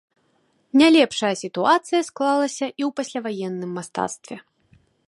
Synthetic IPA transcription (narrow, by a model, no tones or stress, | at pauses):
nʲalʲɛpʂɐjɐsʲit̪uat̪sɨjɐsklˠalˠɐsʲɐʔiwpasʲlʲavajɛnːɨmːast̪a̰t̪st̪vʲɛ